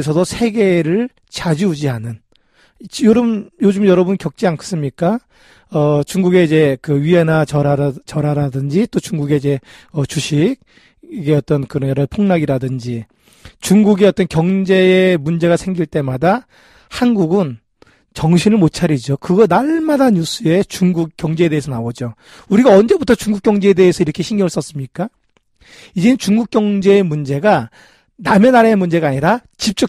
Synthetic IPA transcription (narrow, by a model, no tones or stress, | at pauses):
sʰʌdosʰe̞ɡe̞ɾɯɭ | t͡ɕad͡ʑiud͡ʑianɯn | joɾɯmjod͡ʑɯmjʌɾʌbunkjʌk̚t͡ɕ͈iankʰe̥s͈ɯmɲik͈a | ʌt͡ɕuŋɡuɡe̞id͡ʑe̞kɯɥienat͡ɕʌɾaɾt͡ɕʌɾaɾadɯnd͡ʑit͈ot͡ɕuŋɡuɡe̞id͡ʑe̞ʌt͡ɕuɕʰiɡ̚ | iɡe̞ʌt͈ʌnkɯɾʌjʌɾʌpʰoŋnaɡiɾadɯnd͡ʑi | t͡ɕuŋɡuɡe̞ʌt͈ʌnkjʌŋd͡ʑe̞emund͡ʑe̞ɣasʰe̞ŋɡiɭt͈e̞mada | hanɡuɡɯn | t͡ɕʌŋɕʰinɯɭmot̚t͡ɕʰaɾid͡ʑokɯɡʌnaɭmadaɲus͈ʰɯe̞t͡ɕuŋɡukk͈jʌŋd͡ʑe̞ede̞ɦesʰʌnaod͡ʑo | uɾiɡaʌnd͡ʑe̞butʰʌt͡ɕuŋɡuk͈jʌŋd͡ʑe̞ede̞ːsʰʌiɾʌkʰe̞ɕʰiŋɡjʌŋɯɭs͈ʌs͈ɯmɲik͈a | id͡ʑe̞nɯnt͡ɕuŋɡuk̚k͈jʌŋd͡ʑe̞ːmund͡ʑe̞ɡa | name̞naɾaemund͡ʑe̞ɡaːɲiɾat͡ɕip̚t͡ɕ͈ʌ